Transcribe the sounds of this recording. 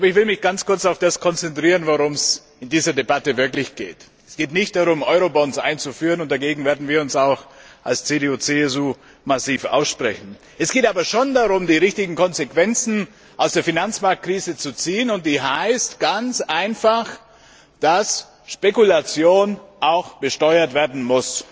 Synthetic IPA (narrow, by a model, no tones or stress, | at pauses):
ʔaːbɐɪçv̥ɪlmɪçɡ̥ant͡skʰʊɐt͡saʊfd̥askʰɔnt͡sɛntʁ̥iːʁənvoʁʊms | ɪndiːzɐdebatəvɪɐklɪçɡ̥ḛːt | ɛsɡ̥eːtnɪçt̚d̥aʁʊmʔɔʏʁobɔnsʔa̰ɪnt͡sufyːʁənʊnt̚d̥aɡeːɡŋ̩veːɐdn̩viːɐʊnsaʊxʔalst͡sedeːuːt͡seɛs̬uː | masiːfʔa̰ʊsʃpʁ̥ɛ̰çn̩ | ʔɛsɡ̥eːtaːbɐʃoːndaʁʊmdiːʁɪçtɪɡŋ̩kɔnzekv̥ɛnt͡sn̩ | ʔaʊsd̥eːɐfinant͡smaɐk̚t̚kʁ̥iːzət͡sut͡siːənʊnt̚d̥iːɦaɪstɡ̥ant͡sʔaɪnfaχ | d̥as | ʃpekulat͡sjoːnʔaʊxb̥əʃtɔʏɐtv̥eːɐdn̩mʊs